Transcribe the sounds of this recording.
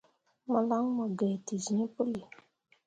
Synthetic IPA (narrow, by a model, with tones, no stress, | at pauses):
ma˨la˦ŋ˦mɔ˨ɡɛ˨ti˨zĩ˨˦pʊ˦li˨